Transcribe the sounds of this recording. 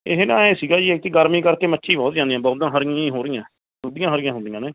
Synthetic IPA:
eɦnã̰ːeːsiːɡaːd͡ʒiːek̚t̪iːɡəɾmiːkəɾkeːmətːʃʰiːbɔːt̪d͡ʒãːnd̪ĩjãːbɔːt̪ãːɦəɾɪjãĩːɦoːɾɪjãː | ɦʊ̃d̪ɪjãːɦəɾɪjãːɦʊnd̪ɪjãːneː

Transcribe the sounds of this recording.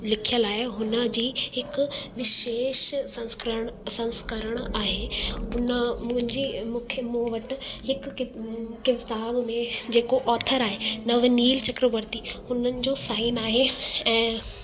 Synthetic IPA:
lɪkʰijəlaːɪɦʊnə̆d͡ʑiːɦɪkʋɪʃeːʃsɐ̃ksɐ̃nskəɾəɽ̃aːɦeʊnəmʊ̃ɦɪ̃nd͡ʑiːmʊ̃ːkʰjəmoːʋɐʈɪ̆hɪkɪkɪʋt̪aːbmẽd͡ʑeːkoʔɔːt̪ʰəɾaːɦenɐʋniːlt͡ɕɐkɾoʋəɾt̪ihʊnənɪ̆d͡ʑoːsaːɪnaːɦeɛ̃ː

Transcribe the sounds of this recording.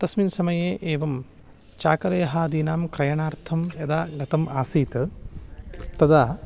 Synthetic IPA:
t̪ɐsminsɐmɐjeːʔeːʋɐm | t͡ʃaːkɐleːɦaːd̪iːnaːmkɾɐjɐɳaːɾt̪ʰɐmɐd̪aːlɐt̪ɐmaːsiːt̪ | t̪ɐd̪aː

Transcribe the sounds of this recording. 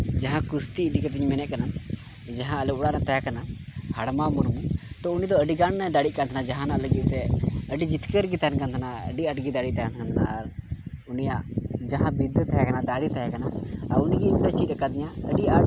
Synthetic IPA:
d͡ʒaɦãkust̪iːd̪ikət̪iɲmɛnɛʔkana | d͡ʒaɦãəlukɽanat̪ajakanahaɽmamɔɾmut̪ɔunid̪ɔəɖiɡaɳnad̪aɽit̪̚kant̪ʰnad͡ʒaɦãnaʔləɡit̪̚sɛəɖid͡ʒit̪kəɾɡit̪ankant̪ʰanaə̰ɖiəʈɡid̪aɽit̪ajant̪ʰant̪ʰana̰ːɾunijaʔd͡ʒaɦãbid̪t̪ʰːajakanad̪aɽit̪ajakanaaɾuniɡimt̪ət͡ʃit̪əkad̪iɲãə̰ɖiaʈ

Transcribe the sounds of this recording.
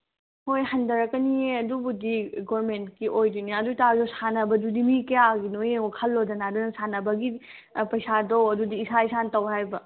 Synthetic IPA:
hojhɐndɐɾɐkːɐnieɐdubudiɡoɾmentkiʔojduniɐdutazosanɐbɐdudimikɐjaɡinojeokʰɐlːodɐnaːdunɐsanɐbɐɡi | pɐjsadowɐdudiːsaisantɐwɦajbɐ

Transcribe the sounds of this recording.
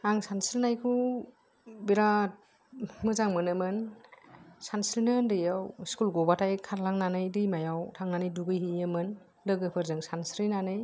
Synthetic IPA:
aŋsansilnajkʰu | biɾat̚ | mɯzaŋmɯnɯmɯn | sansilnɯndɯjawskulɡɔbatʰajkʰaɾlaŋnanɯjdɯjmajawtʰaŋnanɯjduɡɯjɦiɯmɯn | dɯɡɯpʰɯɾzɯŋsansɾinanɯj

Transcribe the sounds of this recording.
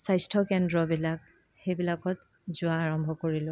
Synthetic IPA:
sajstʰɔkɛndɹɔbilak | xejbilakɔt | zʊwaːɹɔmbʱɔkoɹilʊ̃

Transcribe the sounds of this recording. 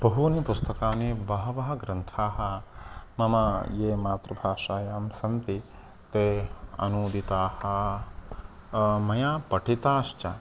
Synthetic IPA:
b̥ɐɦunipust̪ɐkaːnibɐɦɐʋɐɦɐ̆ɡɾɐnt̪ʰaːɦɐ̆mɐmɐjeːmaːt̪ɾɐbʱaːʂaːjaːmsɐnt̪i | t̪eːɐ̰nuːd̪it̪aːhɐ̆ | mɐjaːpɐʈʰit̪aːʃt͡ʃɐ

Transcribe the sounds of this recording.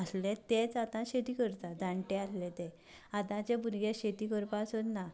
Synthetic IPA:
aslɛ̃t̪et͡sat̪ãɕet̪iːkəɾt̪ad̪ʱãɳʈɛaslɛt̪ɛ | at̪ãt͡ɕebuɾɡeɕet̪iːkəɾpasot̪na

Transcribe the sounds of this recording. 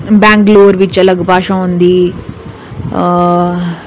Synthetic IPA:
baːŋɡloːɾʋit͡ʃːɐlɐɡbaːʂɐ̃mund̪i

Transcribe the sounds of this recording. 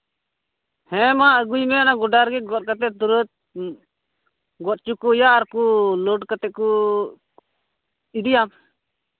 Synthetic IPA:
hɛ̃maəɡujmɛanaɡɔɖaɾɡɛɡɔt̪̚kat̪ɛd̪uɾət̪̚ | ɡɔt̪̚t͡ʃukujaːɾkulɔɖkat̪ɛku | iɖijam

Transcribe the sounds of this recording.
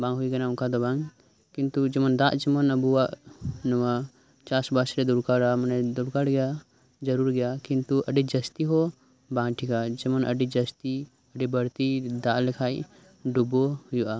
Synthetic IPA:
bãŋɦujɡanauŋkʰad̪ɔbaŋ | kint̪ud͡ʒɛmənd̪aʔd͡ʒɛmənəbuwaʔnəwa | t͡ʃasbasɾɛd̪uɾkaɽamənɛd̪uɽkaɽɡɛja | d͡ʒəɾuɾɡɛjakint̪uʔəɖid͡ʒəst̪iɦɔ | bãŋʈʰikad͡ʒɛmənə̰ɖid͡ʒəst̪i | əɖibəɾt̪id̪aʔlɛkʰaj | ɖubɔhujuʔa

